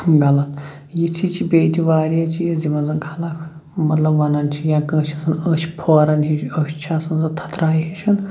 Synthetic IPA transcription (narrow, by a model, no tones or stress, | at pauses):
ɡɐlɐt̪ | jit̪ʰit͡ʃʰibeːt̪ʰʲiʋaːɾiɐt͡ʃʰijɐzimɐnzɐnkʰɐlakʰ | mɐt̪lɐbʋɐnɐnt͡ʃʰijãːkə̃ːt͡ʃʰɐsɐnəsʲi̥pʰoːɾɐnɦiʃəːʃʲt͡ʃʰasɐnzɐt̪ʰɐ̥t̪ɾaːjɦit͡ʃʰɐn